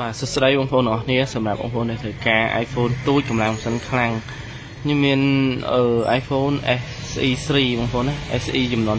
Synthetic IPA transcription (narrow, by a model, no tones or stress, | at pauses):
ɓaːsəsɗəjɓoəŋpʰoːnəŋʔɑkʰniəsɑmrap̚ɓo̰ːŋpʰoːnɗat̪ʰəwkaːʔa̰ːjfʰoːnt̪uːc̚kɑmlaŋpsənkʰlaŋ | kʰɲɨmːiənʔəːʔaːjfʰoːnʔɛ | sʔiːsriːɓoŋpʰoːnaːʔɛsʔiːt͡ɕɑmnŏən